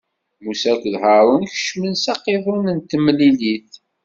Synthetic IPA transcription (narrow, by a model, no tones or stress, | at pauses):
musækʷðhəɾˤənçə̥ʃmənsɑqːeðˤʊnənt̪əmliliθ